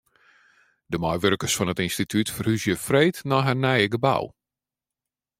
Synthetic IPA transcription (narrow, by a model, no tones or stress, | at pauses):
dəmɔjʋørkəsfɔnətinstitʰytfərhyzjəfrejtnɔɦarnɛjəɡəba̰w